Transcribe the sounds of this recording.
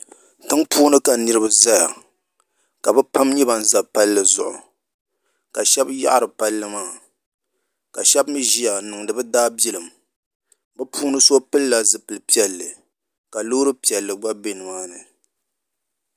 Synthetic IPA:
tɨ˦ŋpuː˦nɨ˦ka˨nɨ˦ɾɨ˦bɨ˨za˦ja˨ | ka˨bɨ˦pa˦mɲɛ˦ba˨n˨za˨pa˦lːɨ˨zʊ̰˨ʔʊ̰˨ | ka˨ʃɛ˦bja̰˦ʔa˦ɾɨ˨pa˦lːɨ˦maː˦˨ | ka˨ʃɛ˦bmi˦ʒi˦ja˨nɨ˨ŋdɨ˨bɨ˦daː˦bi˦lɨ˨m | bɨ˦pʰuː˦nɨ˦so˦pɨ˦lla˨zɨ˨pɨ˨lɨ˨pi˦ɛ˨lːɨ˨ | ka˨lo˦ɾɨ˦pi˨ɛ˨lːɨ˨ɡ͡ba˦be˦nɨ˨maː˦nɨ˨

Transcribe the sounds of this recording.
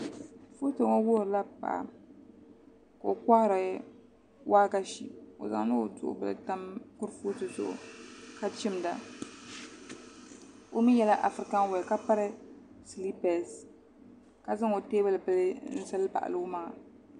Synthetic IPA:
fo˦to˨ŋɔ˦woː˦˨ɾɨ˨la˦pa̰˨ʔa̰˨ | ka˨o˨ka˦hɾa˨˦ | waː˦ka˦ʃḭ˨o̰˨za̰˨ŋ˦ɨ˦˨dʊ̰˨ʔʊ̰˦bɨ̰˦ɨ̰˦ta˦mkʊ˦ɾfo˦tɨ˨zʊ̰˦˨ʔʊ̰˨ka˦t͡ʃɪ˦mda˨ | o˦mi˦jɛ˦la˦ʔa˨fɾɪ˨ka˦ŋ˦wa˨ka˦pa˦ɾɨ˦ | si˨li˦pɛ˨s | ka˨zɨ˦ŋo˨teː˦bɨ˦lɨ˨pɨ˦lɨ˦n̩˦sa˦lpa̰˨ʔa̰˨lo˦ma˨a˨

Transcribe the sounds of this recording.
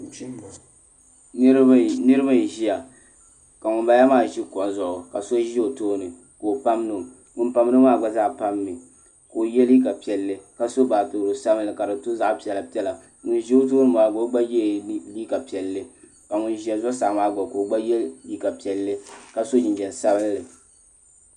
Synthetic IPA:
nɨ˦ɾɨ˦ba˦˨ʒi˦ja˨ | ka˨ŋʊ˨nba˨ja˦maː˦˨ʒi˦kɔ˨n˨zʊ˨ʔʊ˨ka̰˨so˦ʒi˦o˨toː˦nɨ˨ | ko˨pa˦mnɨ˨ | ŋʊ˨˦npa˨m˦nɨ˦maː˦ɡ͡ba˦za˦ʔpa˦mːɨ˨ | ko˨jɛ˦lji˦ka˨pi˨ɛ˨lːɨ˦ka˨so˦baː˨toː˨ɾo˨sa˦bɨ˦lːɨ˨ka˨dɨ˨to˦za˦ʔpi˨ɛ˨la˨pi˦ɛ˦la˨ | ŋʊ˨n˦ʒi˦o˦t̬oː˦nɨ˦maː˨ɡ͡bo˦ɡ͡ba˦jɛ˦liː˦ka˨pi˨ɛ˨lːɨ˦ | ka˨ŋʊ˨nʒi˨˦a˨zɔ˦sa˨ʔmaː˦ɡ͡ba˨ko˨ɡ͡ba˦jɛ˦lji˦ka˨pi˨ɛ˨lːɨ˦ka˨so˦d͡ʒɪ˨d͡ʒɛ˨n˨sa˦bɨ˦lɨ˨

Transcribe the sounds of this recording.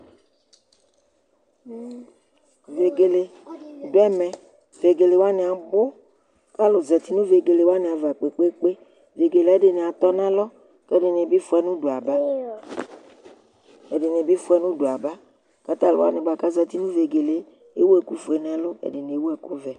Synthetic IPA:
ve˨ɡe˨le˨do˨˦ɛ˦mɛ̃˨ | ve˨ɡe˨le˨wa˦nẽ˨a˨bo˦ | ka˦lo˨zɛ˨t̪i˦nũ˦ve˨ɡe˨le˨wa˦nẽ˨a˨va˨k͡pe˨k͡pe˦k͡pe˦ | ve˨ɡe˨le˨˦de˨nẽ˨a˨t̪ɔ˦nã˦lɔ˦ | kɛ˦de˨nẽ˨bi˦fu˦ɛ˦nũ˦ɖo˨a˨ba˦ | e˨ɖe˨nẽ˨bi˦fu˦ɛ˦nũ˦ɖo˨a˨ba˦ | ka˦t̪a˦˨lo̰˨wa̰˦nẽ˨ba˨ka˦zɛ˨t̪i˦nũ˦ve˨ɡe˨le˨ | e˦wo˦ɛ˨ku˦fo˨e˨n˨a˨lo˦ḛ˨de˨ne˨˦wo˦ɛ˨ku˦vɛ˨

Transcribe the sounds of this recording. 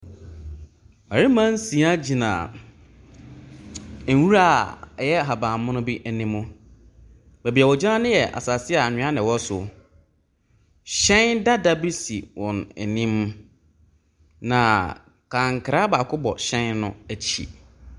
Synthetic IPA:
ma˨ɾi˦mã˦n˦sĩ˨˦a˦d͡ʑi˨nã̰ː˨˦ | wu˦ɾa˦˨jɛ˦˨ɦa˨bãː˨mʊ̃˦nʊ̃˦bi˦ʔæ˨nĩ˦mʊ̃˦ | bæ˨bi˨a˨wɔ˨d͡ʑã˦nʊ̃˦jɛ˨ʔa̰˨sa˨sɪ˦a˨ɲᶣɪ̃˨˦a˦nɪ̃˨wɔ˦sʊ˨ | ɕɛ̃˦nda˦da˦bi˦si˨wɔ̃˨ne˨nĩ˦m˦ | nã˨ | kʰã˨ŋkʰɪ˨ɾa˦baː˨kʰʊ˦bɔ̰˨ɕɛ̃˦nːʊ̰̃˦æ˨t͡ɕʰḭ˨

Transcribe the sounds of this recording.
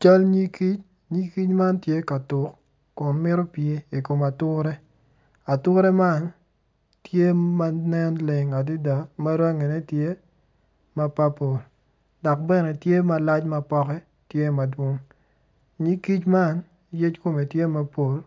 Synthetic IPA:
t͡ʃa˦lɲi˦ki˦t͡ʃ | ɲi˦ki˦t͡ʃma˦ntje˦ka˨tʊ˨kː | ʊ˨nmɪ˦ɾo˦pje˦i˨ko˨ma˨tʊ˦ɾɛ˦ | a˨tʊ˦ɾɛ˦ma˦n | tje˦ma˦nɛ˦nlɪ˨ŋa˨di˦da˨ma˦ɾa˦ŋe˨ne˦tje˦ | ma˦pa˦po˨l | dɔ˨k̚bɛ˦nɛ˨tje˦ma˦la˦t͡ʃma˦pɔ˦kɛ˦ | tje˦ma˨dwo˦ŋ | ɲi˦ki˦t͡ʃma˦n | je˦t͡ʃko˦me˨tje˦ma˦po˨l

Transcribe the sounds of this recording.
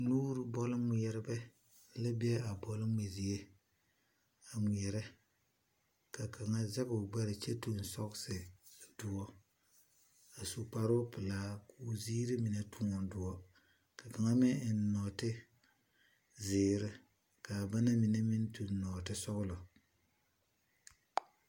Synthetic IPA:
nuː˦ɾu˨bɔ˦lmʷi˨ɛ˨ɾɪ˦bɛ˦ | lɪ˦bɪ˦ɛ˦a˨bɔ˨lmʷe˨zi˨e˦ | a˨mi˨ɛ˨ɾɛ˦ | ka˨ka˨ŋa˦zɛ˦kʊ˨ɡ͡ba˦ɾɪ˨t͡ʃe˦tu˨n˨sɔ˦ksɪ˨dʊ˨wɔ˦ | a˨su˨k͡pa˦ɾʊ˦pɪ˨laː˦ku˦ziː˦ɾɪ˦mi˨na˦tu˦ŋɔ˨n˦dʊ˨wɔ˦ | ka˨ka˨ŋa˦mɪ˦ɪ˨n˦nɔ˨tɪ˦ | zɪː˨ɾɪ˦ | ka˨ba˦na˦mi˨na˦mɪ˦n˦tu˨nː˦ɔː˨tɪ˦sʊ˦ɣʊ˦lʊ˨

